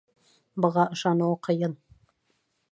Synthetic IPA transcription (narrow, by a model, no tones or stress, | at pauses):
bɤ̆ʁɑɤ̆ʃɑnuwɤqʰɤ̆jɤn